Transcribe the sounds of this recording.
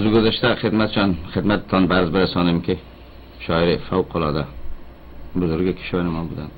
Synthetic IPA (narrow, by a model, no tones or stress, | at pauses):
zʊɡʲʊzaʃt̪aχɪd̪mat̪t͡ʃʰanχɪd̪mat̪̚ʰːɒnbaɾzbɪɾasɒnɪmkʲɪ | ʃɒɪɾɪfawqʰʊlˠɒd̪a | bʊzʊɾɡʲɪkʲʰɪ̥ʃɒnɪmɒnbʊd̪an